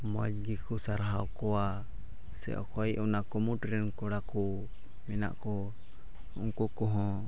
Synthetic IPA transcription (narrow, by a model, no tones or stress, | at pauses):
mɔd͡ʒ̚ɡikusaɾɦawkɔwa | sɛ̰ʔɔ̰kɔiʔɔnakɔmuʈɾɛnkɔɽaku | mɛna̰ʔkɔ | uŋkukɔɦɔ̃